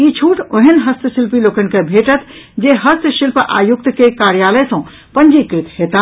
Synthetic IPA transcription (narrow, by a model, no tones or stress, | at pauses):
it͡ʃʰuʈʰoɦenɦəst̪əsilpilokənkebʱeʈət̪ʰ | d͡ʒeɦəst̪əʃilpʔa̰ːjukt̪kekaɾjaləjsɔ̃ | pənd͡ʒikɾit̪ɦet̪a